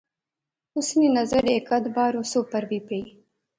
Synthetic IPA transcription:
ʊsninazaɾekad̪bɑːɾosopaɾbipej

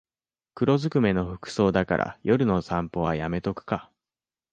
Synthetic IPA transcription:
kɯ̟ɾo̞zɨkɯ̟me̞no̞ɸɯ̟̥kɯ̟̥so̞ːd̪aka̰ɾʔa̰jʔo̞ɾɯ̟no̞sãmpo̞βajame̞t̪o̞kɯ̟̥ka

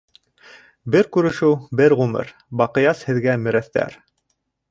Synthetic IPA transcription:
bɘɾkʉɾɘ̆ʃɘwbɘɾʁʉmɘ̰ɾ | bɑqɤ̆jɑshɘ̆ðɡæmɘ̆ɾæθt̪æ̰ɾ

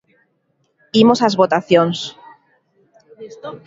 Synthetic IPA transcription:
imosazβot̪aθjons

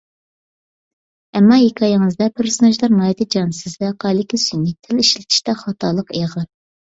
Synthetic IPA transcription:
ɛmːɑjekʲʰɑjɪŋɨzd̪ɛpʰeɾsonɛʒlˠɑɾnɑːjt̪ʰɪd͡ʒɑnsɪzvɛqʰɑjlɪkʲisynːɪk̚ʲt̪ʰːɪliʃlɪt̪ʰi̥ʃt̪ɛχɑt̪ʰɑlˠəqeʁəɾ

